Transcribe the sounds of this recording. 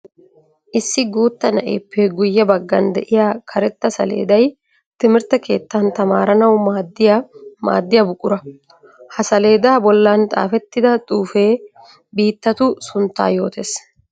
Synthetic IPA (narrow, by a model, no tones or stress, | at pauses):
ʔɪsːɪɡuːt̪ːɐnɐ̰ʔḛːpːɛɡʊjːɛbɐɡːɐnd̪ɛʔɪjaːkʰɐɾɛt̪ːɐsɐ̰lḛːd̪ɐj | t̪ɪmɪɾt̪ɐke̞̰ːt̪ːɐnt̪ɐmaːɾɐnɐwmaːd̪ːɪjama̰ːd̪ːɪjɐbʊkʼʊɾɐ | hɐsɐle̞ːd̪aːbɔlːant̪ʼa̰ːfɛt̪ːɪd̪ɐt̪ʼuːfe̞ː | biːt̪ːɐt̪ʊsʊnt̪ːa̰ːjo̞ːt̪e̞ːs